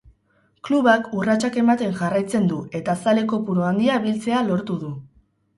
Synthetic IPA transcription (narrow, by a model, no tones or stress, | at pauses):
kluβakurat͡ʃake̞mat̪e̞ŋʝarajt͡se̞nd̪ue̞t̪asale̞ko̞puɾoand̪iaβilt͡se̞alo̞ɾt̪uðu